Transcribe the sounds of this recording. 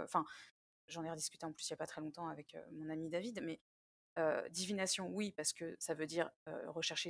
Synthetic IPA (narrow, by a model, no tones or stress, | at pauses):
ɑ̃fɛ̃ | ʒɑ̃nɛʁəd̪iskʲyt̪eɑ̃plysiljapat̪χɛlɔ̃t̪ɑ̃avɛkø̰mɔ̃namid̪avid̪mɛ | ø̰d̪ivinasjɔ̃wipaʁsə̥kəsavød̪iʁø̰ʁəʃɛʁʃe